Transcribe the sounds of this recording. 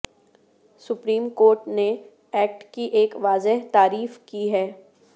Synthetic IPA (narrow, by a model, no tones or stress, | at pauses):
sʊpɾiːmkoːɾʈne | ɛːk̚ʈkiʔeːkʋaːzɪɦt̪aːɾiːfkiɦɛː